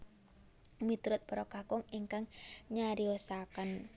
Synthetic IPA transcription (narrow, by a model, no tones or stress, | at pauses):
mit̪ɾʊt̪̚pɔɾɔkakʊŋiŋkaŋɲaɾiɔsakən